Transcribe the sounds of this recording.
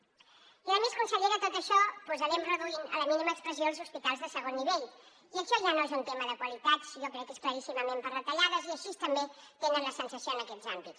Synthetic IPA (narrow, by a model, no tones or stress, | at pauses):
iəmeskunsəʎeɾət̪ot̪əʃɔpuzəɾɛmrəðuinə̰ləminiməəkspɾəzjolˠzuspit̪alˠzðəsəɣonːiβeʎ | iəʃɔʒanoezunt̪eməðəkwəlit̪at̪siʒokɾɛkːeskləɾisiməmempərðət̪əʎaðəziəʃist̪əmbet̪enənləsənsəsjoənəkɛzambit̪s